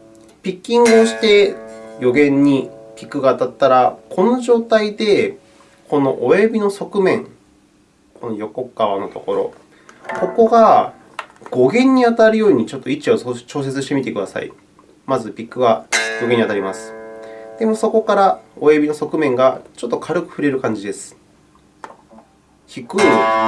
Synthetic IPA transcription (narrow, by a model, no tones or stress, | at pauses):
pʲikʲːĩŋɡo̞ːɕi̥t̪e̞jo̞ɡẽ̞ɲ̟ːipʲikːɯ̟ɡaːt̪at̪ːaɾakʰo̞no̞ʑo̞ːt̪aid̪e̞ | ko̞no̞̰ʔoebʲino̞so̞kɯ̟mẽ̞ŋ | ko̞no̞jo̞ko̞kaβano̞t̪o̞ko̞ɾo̞̰ | ko̞ko̞ɡa | ɡ̥o̞ɡẽ̞ɲ̟ːiat̪aɾɯjo̞ːɲ̟it͡ɕo̞t̪ːo̞it͡ɕiot͡ɕo̞ːs̬e̞t͡sɨɕi̥t̪emit̪ekɯ̟d̪asa̰ḭ | mazɨbʲikːɯ̟βaɡoɡe̞ɲːiat̪aɾʲimasɨ̥d̪̥e̞mo̞so̞ko̞kaɾao̞ebʲino̞so̞kɯ̟mẽ̞ŋɡat͡ɕo̞t̪ːo̞kʰaɾɯ̟kɯ̟̥ɸɯ̟ɾe̞ɾɯ̟kãɲ̟d͡ʑid̪e̞sɨ̥ | çikɯ̟